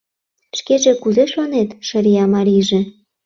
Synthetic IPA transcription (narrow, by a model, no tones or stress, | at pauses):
ʃkeʒĕkuzeʃonet̪ʃə̆ɾʲijɑmɑɾʲiʒĕ